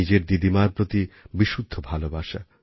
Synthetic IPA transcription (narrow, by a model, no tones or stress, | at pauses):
id͡ʑeɾd̪id̪imaɾpɾot̪ibiʃud̪ʱːobʱalobaʃa̰